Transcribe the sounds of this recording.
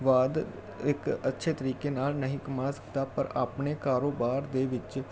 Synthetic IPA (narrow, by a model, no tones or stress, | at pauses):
ʋaːd̪ | ɪkətːʃʰeːt̪əɾiːkeːnaːlnəɦĩːkəmaːsə̥k̚d̪aːpəɾaːpneːkaːɾoːbaːɾd̪eːʋɪt͡ʃ